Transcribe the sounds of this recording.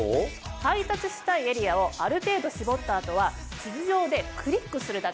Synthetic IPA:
hait̪at͡sɨɕi̥t̪aie̞ɾʲiao̞ʔaɾɯ̟t̪e̞ːd̪o̞ɕibo̞t̪ːaːt̪o̞βa | t͡ɕid͡ʑiʑo̞ːd̪e̞kʰɯ̟ɾʲikːɯ̟sɨɾɯ̟d̪ake

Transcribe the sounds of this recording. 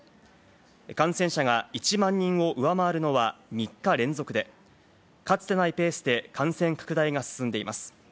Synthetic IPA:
kãɰ̃sẽ̞ɰ̃ɕaɡait͡ɕimãɲ̟ːĩɰ̃o̞ʔɯ̟βamaːɾɯ̟no̞βamʲikːaɾẽ̞nzo̞kɯ̟d̪e̞ | kat͡sɨ̥t̪e̞naipe̞ːsɨd̪e̞kʰãɰ̃sẽŋkḁkɯ̟d̪aiɡasɨ̥sɨ̃nd̪e̞imasɨ̥

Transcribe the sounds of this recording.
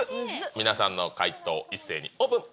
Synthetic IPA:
mʲinasãnːo̞kait̪o̞̰ːisːe̞ːɲ̟ḭoːbɯ̟̃ŋ

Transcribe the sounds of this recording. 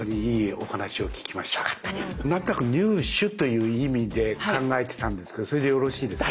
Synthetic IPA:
oɲiiːo̞hanaɕio̞kʲi̥kʲimaɕi̥t̪ḁḁt̪ːad̪enãnt̪onakɯ̟ɲʲɨːɕɨt̪o̞jɯ̟ːimʲid̪e̞kãŋɡae̞t̪e̞̥t̪ãnd̪e̞sɨ̥ke̞d̪osoɾe̞d̪ejo̞ɾo̞ɕiːd̪e̞s

